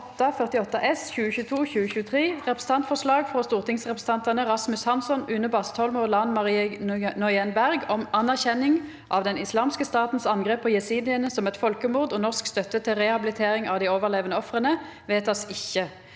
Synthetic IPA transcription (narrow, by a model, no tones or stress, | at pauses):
ɔt̪ːɑfœʁt̪ɪɔt̪ːɑʔɛsçʉːəçʉːt̪ʰuːçʉːəçʉːət̪ʰʁeːʁɛpɾə̥sn̩t̪ɑnt̪fɔʂlɑːɡfʁɔst̪uːʁt̪ɪŋsʁɛpʁəs̩əɑnt̪ɑnəʁɑsmʉshɑnsɔnʉːnəbɑst̪ʰɔlmɔlɑnʁnɔʏɛnbæʁɡɔmɑnæʁçɛnːɪŋ | ʔɑʋd̪ɛnɪslɑːmskəst̪ɑːt̪n̩sɑnɡʁeːpʰːoːjɛsiːnɪənəsɔmɛt̪fɔlkəmuːʁd̪oːnɔʁskst̪œt̪ːət̪ʰːɪlʁɛhɑbɪlɪt̪ʰeːʁɪŋʔɑ̰ːʋd̪iːoːʋəʁleːʋənəɔfʁənə | ʋeːt̪ʰɑsɪçə